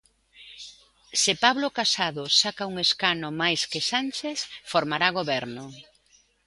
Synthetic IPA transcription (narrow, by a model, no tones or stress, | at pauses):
sɪpaβlokasaðʊsakauŋeskanomajskɪsanʲt͡ʃeθfoɾmaɾaɣ̞oβɛɾnʊ